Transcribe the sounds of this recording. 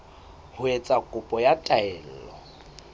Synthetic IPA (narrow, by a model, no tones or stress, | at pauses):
hʊet͡sʼakʼʊpʼɔjatʼaɛːl̩llɔ